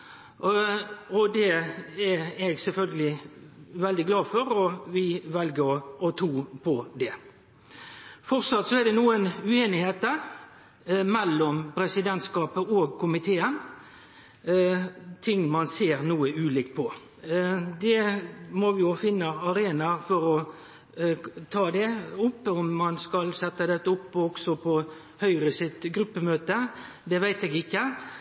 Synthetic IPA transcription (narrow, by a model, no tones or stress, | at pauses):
ɔd̪ɛɛɾɛɡsɛlfœlɡəlɪʋɛld̪ɪɡlɑːfɔɾɔʋɪʋɛlɡəɔt̪ʰuːpʰɔd̪ɛ | fɔsɑt̪sɔɛɾd̪ɛnuːənʉeːnɪheːt̪ə | mɛlːɔmpɾɛsɪd̪ɛnt̪skɑːpəɔːɡ̚kʰʊmɪt̪ʰeːən | t̪ʰɪŋmɑnseːɾnuːəʉːlɪːkt̪̚pʰɔ | d̪ɛmɔʋɪjʊfɪnːəɑɾeːnɑfɔɾɔ | t̪ʰɑːd̪ɛʊpːɔmːɑnskɑlsɛt̪ːəd̪ɛt̪ːəʊpːɔɡ̥sɔpʰɔ | hœʏɾəsɪt̪ɡɾʉpːəmøːt̪ə | d̪ɛʋæɪt̪ɛːɡɪkːə